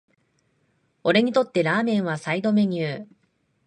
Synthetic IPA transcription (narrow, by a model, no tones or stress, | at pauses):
o̞ɾe̞ɲ̟it̪o̞t̪ːe̞ɾaːmẽ̞ɰ̃βasaid̪o̞me̞ɲ̟ɨː